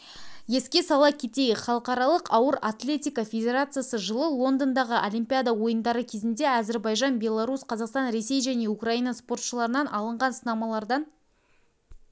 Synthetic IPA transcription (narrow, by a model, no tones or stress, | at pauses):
je̞skʲe̞sɑlˠɑkʲʰe̞t̪e̞ɡʲɪχɑlˠəqɑɾɑlˠəqɑwəɾat̪lʲe̞t̪ʲijkafʲe̞dʲe̞ɾat̪sɨjasəʒəlˠəlˠo̞nd̪ond̪ɑʁəʔolʲijmpʲijad̪awo̞jənd̪ɑɾəkʲʰe̞zɪnd̪e̞æze̞ɾbɑjʒɑnbʲe̞lˠaɾusqʰɑzɑqst̪ɑnɾe̞se̞jʒæne̞ukraijnɑspo̞rt̪ʃəlˠɑɾənɑnʔɑlˠəɴʁɑnsənɑmɑlˠɑɾd̪ɑn